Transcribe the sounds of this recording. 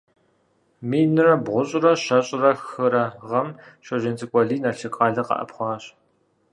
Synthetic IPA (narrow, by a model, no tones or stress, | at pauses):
miːnɨrɐbʁʷʊɕʼɪrɐɕɐɕʼɪrɐxxɨɾɐʁɐmɕɐʒɪnt͡sʼɨkʷʼɔɮiːnɐɬɨkʼɑːɮɐqɐ̰ʔɐ̰pχʷɑːɕʼ